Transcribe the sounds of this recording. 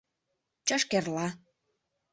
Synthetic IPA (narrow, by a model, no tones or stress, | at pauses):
t͡ɕɑʃkerlɑ